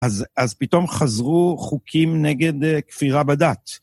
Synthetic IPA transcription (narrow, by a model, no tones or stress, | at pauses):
azazpit̪o̞mχazʁuχukʰimneɡe̞d̪kfiʁabad̪at̪